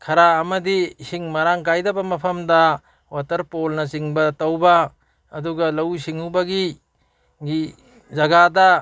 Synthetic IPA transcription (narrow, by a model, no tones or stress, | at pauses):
kʰɐɾaɐmɐdisiŋmɐɾaŋkajdɐbɐmɐpʰɐmdɐ | watɐɾpolnɐt͡ʃiŋbɐtɐwbɐ | ɐduɡɐlɐwsiŋhubɐɡi | ɡi | zɐɡadɐ